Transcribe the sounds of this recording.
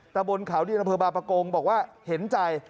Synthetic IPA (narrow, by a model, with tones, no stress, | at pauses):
t̪a˧mbo˧nkʰa˩˦wdiː˧˨ʔa˧mpʰɤː˧baː˧pɾa˧koː˧ŋbɔː˨˩k̚waː˥˩he˩˦nt͡ɕa˧j